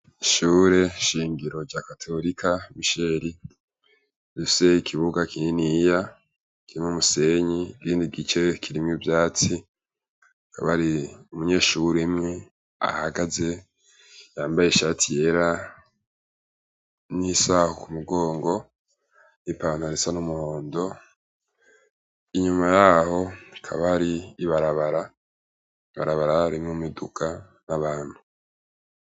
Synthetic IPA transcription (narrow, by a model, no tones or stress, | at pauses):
iʃuːɾe̞ʃiːŋɡiɾo̞ɟaːkatʰo̞ɾikʰamiʃe̞ɾi | difi̥se̞ikʰiβuɡakininija | kiɾimumuse̞ɲikiːndiɡit͡ʃe̞kʰiɾimɲubjaːt͡si | ka̰βaɾiumuɲe̞ːʃuɾemŋe̞ | a̰haɡaze̞ | jaːmbajeʃatʰije̞ɾa | nisahukumuɡo̞ːŋɡo̞ | nipaːnuaɾesanumuhoːndo̞ | iɲumajaːho̞ikʰa̰βaɾiːβaɾaβaɾa | iβa̰ɾaβaɾaːɾimŋumidukʰa | naβaːn̥hu